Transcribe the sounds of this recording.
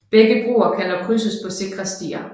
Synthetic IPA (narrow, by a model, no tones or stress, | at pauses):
b̥eɡ̥əb̥ʁṵːɐkʰænɒ̽kʰʁysəspʰɒ̽se̝ɡ̥ʁɐsd̥ḭːɐ